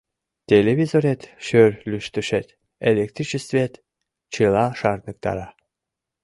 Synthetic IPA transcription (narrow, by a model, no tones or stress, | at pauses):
t̪ʲelʲevʲizoɾʲet̪ʃøɾʲlʲyʃt̪yʃet̪ | elʲek̚t̪ɾit͡ɕest̪vʲet̪ | t͡ɕɨlˠɑʃɑɾnɨk̚t̪ɑ̰ɾɑ